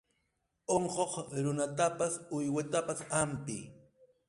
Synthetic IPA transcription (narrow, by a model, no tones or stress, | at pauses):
oɴqoχɾʊnat̪apasʊjwat̪apasampɪ̰